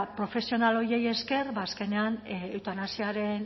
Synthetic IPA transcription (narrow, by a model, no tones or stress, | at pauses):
pɾo̞fe̞sio̞nalo̞jeje̞ske̞ɾβaːske̞ne̞anewt̪anasiaɾe̞n